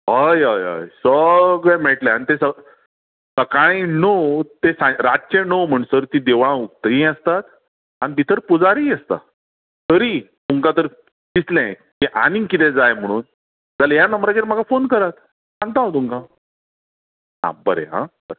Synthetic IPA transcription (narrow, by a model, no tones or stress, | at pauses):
ɦəjɦəjɦə̰jsəɡɭɛmeɭʈlɛ̃añit̪esə | səkaɽ̃enot̪esãɾad͡ʑt͡ɕẽnom̤əɽ̃səɾt̪ĩd̪eʋɭ̃ãuk̚t̪əɦĩəst̪at̪ | añibʱit̪ʰəɾpud͡zaɾiːəst̪a̰ | t̪əɾi | t̪uŋkat̪̬əɾ | kislɛ̃ | k̪eʔanĩŋkit̪ẽd͡zajm̤əɽ̃uːn | d͡zaləjanəmbɾakeɾm̤akafonkəɾat̪ | sãŋɡ̚t̪aot̪uŋka | ɦã̰bəɾḛɦã̰b̥əɾe